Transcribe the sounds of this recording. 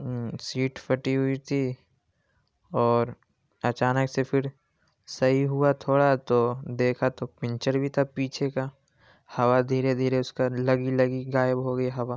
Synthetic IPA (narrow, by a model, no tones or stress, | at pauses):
siːʈpʰɐʈiɦʊit̪ʰi | ɔːɾ | ɐt͡ʃaːnəksepʰɪɾ | sɐɦiɦʊat̪ʰoːɽat̪od̪eːkʰat̪opɪ̃nt͡ʃəɾbʱit̪ʰapiːt͡ʃʰeka | hɐʋad̪ʱiːɾed̪ʱiːɾeʊskalɐɡilɐɡiɡaːjəbɦoɡəiɦɐʋa